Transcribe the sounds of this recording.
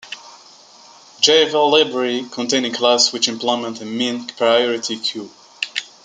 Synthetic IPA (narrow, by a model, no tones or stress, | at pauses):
d͡ʒeɪvəllːɪbɹəɹikʰɔ̃ntʰẽɪ̃nɪ̃ŋkʰlaswɨt͡ʃɨ̃mpʰlɔɪmɛ̃ntɨmĩnpʰɹaɪjɔɹɨtʰikʰj̥u